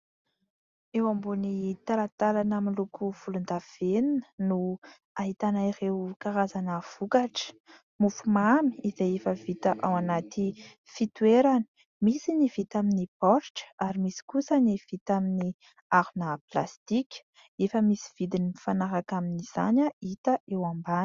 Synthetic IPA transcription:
ewambunit̪alat̪alanamilukʰuv̥ulund̪av̥eninə̥nu | aɦit̪anaiɾewkaɾazanəv̥ukaʈ͡ʂə̥ | mufumami̥izejefəvit̪əʔawanat̪i | fit̪ueɾani̥ | misinivit̪aminipɔɾʈ͡ʂə̥aɾimisi̥kusəniv̥it̪amini | aɾunəplast̪ikʲə̥ | efəmisi̥v̥id̪inifanaɾakaminiz̥a̰ɲəit̪əewambani̥

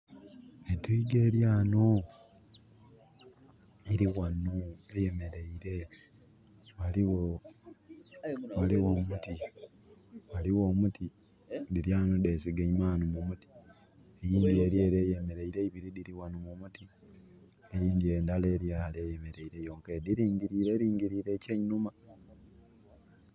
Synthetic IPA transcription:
etuiɡe̞ːɾjaːno | iɾiɣanueje̞me̞ɾe̞iɾe̞ | waliwo | waliwomuti | waliwoːmuti | diɾjaːnudesiɡeimaːnumumuti̥ | ejiːndie̞ɾje̞ɾejeme̞ɾe̞iɾeiβiɾidiɾiwanumumuti | eɾiːndiendale̞ːɾjaːlejeme̞ɾe̞iɾe̞joːŋkediɾiːŋɟiɾiːɾeɾiːŋɟiɾiːɾe̞ːceɲnuma

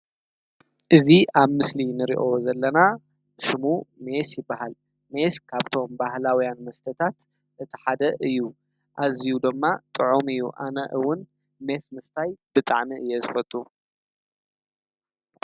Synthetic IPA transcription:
ʔɨziaβmɨslinɨɾḭʔozɐlːɐna | ʃɨmume̞sjɪbːaɦal | me̞skʰaβt̪ʰo̞mbaɦlawijanmɐst̪ʰɐt̪ʰat̪ | ʔɨt̪ʰi̥ħad̪ɐʔɨjːu | ʔazijud̪ɨmːat̪ʼɨʕumɨjːuʔa̰nɐʔɨwʊn | me̞smɨst̪ʰajb̥ɨt̪ʼaʕmiɨjːɛzɨfɐt̪ʼːu

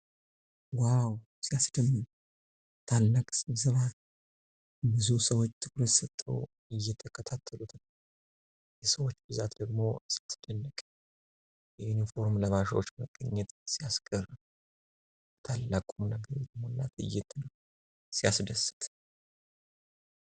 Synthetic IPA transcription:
waw | sijasd̪əmːɨn | t̪ʰalːakʼsɨzəβa | bɨzusəwot͡ʃːt̪ʰɨkɾət̪sət̪ʼːə̰w | ɨjːɛt̪ʰːəkʰət̪ʰat̪ʰːəlut̪ʰɨm | jɛsəwo̞t͡ʃːbɨzat̪d̪əɡmo̞st̪ʰːɨd̪̥ənːəkʼ | jɛunifo̞ɾmləmaʃwot͡ʃːməɡʼəɲːɛt̪ʼsijaskʼəɾ | t̪ʰalːakʼumnəɡəɾd̪əmonːa̰t̪ɨ̰jːɛt̪ʰːɨnə | sijasd̪əsɨ̥t̪ʼ

